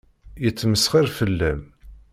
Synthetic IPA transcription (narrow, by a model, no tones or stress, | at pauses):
jət͡sːməsχiɾfəlːæm